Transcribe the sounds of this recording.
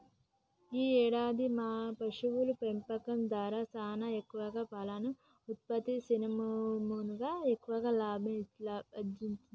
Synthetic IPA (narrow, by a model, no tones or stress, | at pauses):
iːɛːɽaːd̪imaːpɐʂuʋulupempɐkɐmd̪aːɾaːsaːnɐekːuʋɐɡaːpɐlanu | ut̪̚pɐt̪isinimɐmunuɡaːekːuʋɐɡaːlaːbʱiɐd̪iɲt͡ʃui